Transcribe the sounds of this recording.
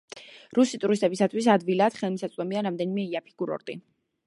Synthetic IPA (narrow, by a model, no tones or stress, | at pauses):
ɾusit̪ʼuɾis̬t̪ʼɛbisat̪ʰwis̬ad̪vilad̪̥χɛlˠmisat̪sʼd̪ɔmiaɾamd̪ɛnimɛiapʰi̥ɡ̥uɾɔ̰ɾt̪ʼi